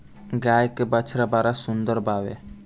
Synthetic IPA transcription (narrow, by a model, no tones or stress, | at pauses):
ɡaːjkebət͡ʃʰɾabaːɾasʊnd̪əɾbaːʋḛ